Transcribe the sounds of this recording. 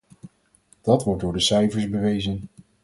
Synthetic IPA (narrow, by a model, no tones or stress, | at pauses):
d̥ɑtʋɔɹt̚dʊːɹdəsɛjvəɹzbəʋejzən